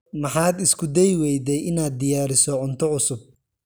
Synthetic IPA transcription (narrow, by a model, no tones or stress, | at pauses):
mɑħɑːd̪ɪskʰʊd̪ɛjwɛjd̪ɛjɪnaːd̪̚ːɪjaːɾɪsɔʕʊnt̪ʰɔʕʊsʊb̚